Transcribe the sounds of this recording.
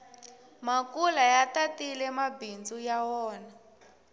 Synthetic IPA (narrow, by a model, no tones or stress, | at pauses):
makulajatatilɛmabind͡zujawɔːna